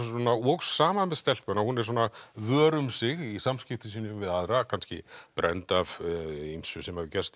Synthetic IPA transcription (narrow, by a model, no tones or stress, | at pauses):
sɔnaɔksːaːmamɛðst̪ɛl̥pɛnahunɛɾ̥s̬oːnavœːɾʏmsɪɣisamscɪft̪ʏsiːnʏmvɪðaðɾakʰanscɪ̰pɾʔɛ̰nt̪avimsʏsɛmhavɪcɛst̪